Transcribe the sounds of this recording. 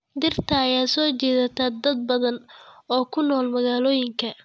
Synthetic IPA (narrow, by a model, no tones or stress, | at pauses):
d̪ɪrt̪ʰɐːjaːsɔːt͡ʃɛːðɐt̪ʰad̪ɐd̪̚bɐðɐnɔːkʰʊnɔːlmɐɣaːlɔːjɪŋkʰɐ